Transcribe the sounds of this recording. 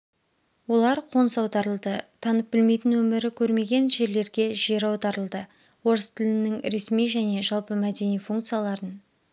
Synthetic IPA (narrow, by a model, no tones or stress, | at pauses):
wo̞lˠɑɾqʰo̞nsɑwd̪ɑɾəlˠd̪ət̪ʰɑnəp̚bɪlme̞jt̪ɪnwɵmɪɾɪkʲʰɵɾme̞ɡʲe̞nʒe̞ɾle̞ɾɡʲe̞ʒeɾɑwd̪ɑɾəlˠd̪ə | wo̞ɾəst̪ʰɪlɪnɪŋɾe̞smijʒæne̞ʒɑlˠpəmæd̪e̞nijfuŋkt̪sɨjalˠɑɾən